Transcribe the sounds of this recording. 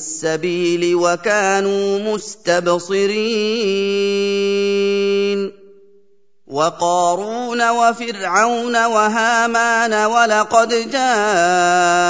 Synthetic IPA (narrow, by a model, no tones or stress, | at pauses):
sːabiːlɪwakaːnuːmʊst̪absˤɨɾiː | n | wɑqɑːɾuːnawafɪɾʕawnawaɦaːmaːnawalɑqɑd̪d͡ʒaː